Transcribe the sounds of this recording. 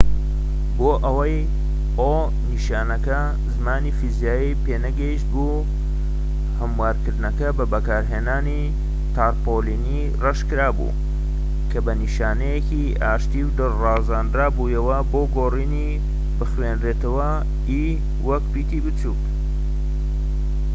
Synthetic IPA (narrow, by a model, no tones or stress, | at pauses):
boːʔɐwɐj | o | niʃaːnɐkɐ | zmaːniːfizijaːjipeːnɐɡɐiʃt̪̚bu | hɐmwaːɾkɨɾd̪nɐkɐbɐbɐkaːɾɦeːnaːni | t̪ʰaːɾpolini | rɐʃkɨɾaːbṵ | kʰɐbɐniʃaːnɐjekiʔaːʃt̪iːwd̪ɨrɑːzaːnd̪ɾaːbujɐwɐboɡoːriːni | bɨxwenɾeːt̪ɐwɐ | i | wɐkbiːt̪ibɨt͡suːt